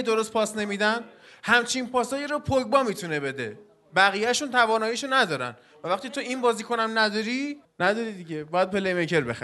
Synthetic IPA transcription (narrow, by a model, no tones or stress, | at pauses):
d̪o̞ɾost̪̚pʰɒːsne̞mid̪æn | hæmt͡ʃʰinpʰɒːsɒːjiɾopʰojbɒːmiːt̪ʰunebe̞d̪e̞̰ | bæɣiːjæʃunt̪ʰævɒːnɒːjiʃonæd̪ɒːɾæ̰n | vævæχt̪it̪ʰoinbɒːziːkʰonæmnæd̪ɒɾinæd̪ɒɾid̪iɟebɒːjæd̪̚pʰe̞lejmecʰeɾbe̞̰xæ